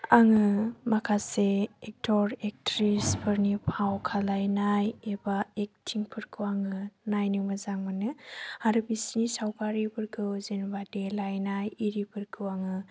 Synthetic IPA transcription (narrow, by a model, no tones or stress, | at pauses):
aŋɯmakʰaseek̚tʰɔɾek̚tɾispʰɯɾnipʰawkʰalajnajebaek̚tʰiŋpʰɯɾkʰɯwaŋɯnajnɯmazaŋmanɯaɾɯbisnisawkaɾibʰɯɾkʰɯzenbadelajnajiɾipʰɯɾkʰɯwaŋɯ